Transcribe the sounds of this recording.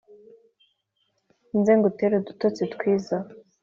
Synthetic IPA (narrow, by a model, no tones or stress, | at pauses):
inzeːŋɡoteɾedutot͡setkwiːza